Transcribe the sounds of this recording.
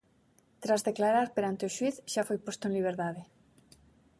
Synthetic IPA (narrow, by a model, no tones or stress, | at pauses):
t̪ɾazðeklaɾaɾpeɾant̪eoʃwiθʃafojpost̪oenliβ̞eɾðað̞e